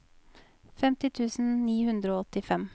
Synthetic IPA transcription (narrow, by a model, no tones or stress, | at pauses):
fɛmt̪ɪt̪ʰʉːsn̩niːhʉnd̪ɾoːɔt̪ɪfɛm